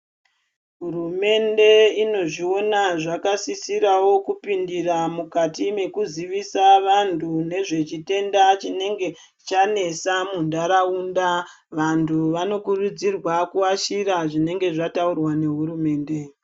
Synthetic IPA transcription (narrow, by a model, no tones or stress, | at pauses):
ɦurume̞nde̞ino̞ʐio̞naʐakasisiɾawo̞kupindiramukatime̞kuziʋisaʋantʰune̞ʐe̞t͡ʃite̞ndat͡ʃine̞ŋɡe̞ | t͡ʃane̞samundaɾaunda | ʋantʰuʋano̞kurud͡zirwakuaʃiɾaʐine̞ŋɡe̞ʐataurwane̞ɦuɾume̞ːnde̞